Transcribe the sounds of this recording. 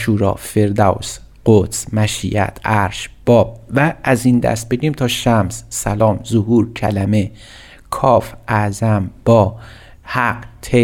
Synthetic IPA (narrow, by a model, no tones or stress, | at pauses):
ʃuːɾɒ̰ːfeɾd̪æws | ɢ̥ot̪smæʃḭʔæ̰t̪ʰʔæɾʃb̥ɒːb̚væʔːzind̪æ̰st̪̚beɟiːmt̪ʰɒːʃæmsːælɒːmzohuːɾcʰælæme | kʰɒːfʔæzæmb̥ɒː | hæqt̪ʰe